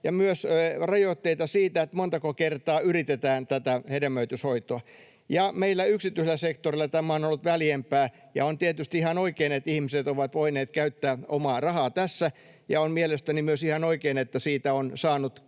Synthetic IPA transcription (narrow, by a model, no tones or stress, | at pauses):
jɑmyøsrɑjot̪ːeit̪ɑsiːt̪æet̪mont̪ɑkokert̪ɑːyrit̪et̪æːnt̪æt̪æhedemːøyt̪yshoit̪oɑ | jɑmeilːæyksit̪ːˑyiselːˑæsekt̪orilːɑt̪æmæonolːut̪ʋæljempæː | jɑ̰ont̪iet̪yst̪iihɑnoikeːnet̪ihmiset̪oʋɑt̪ʋoineːt̪kæyt̪ːæːomɑːrɑhɑːt̪æsːæ | jɑ̰onmielest̪ænimyøsihɑnoikeːnet̪ːæsiːt̪æonsɑːnut̪